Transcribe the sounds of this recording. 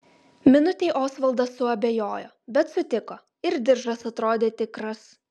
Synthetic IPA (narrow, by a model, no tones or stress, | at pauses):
mʲɪnʊt̪ʲeːɪʔoːsʋɐlˠd̪ɐsʊɐbʲeːjoːjoːbʲɛt̪sʊt̪ʲɪkoː | ɪɾd̪ʲɪɾʒɐsɐt̪ɾoːd̪ʲeːt̪ʲɪkɾɐs